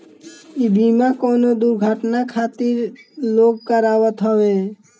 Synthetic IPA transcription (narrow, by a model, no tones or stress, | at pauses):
ibimakonod̪uɾɡʱəʈnakʰat̪iɾloɡ̚kəɾawət̪ɦɔbe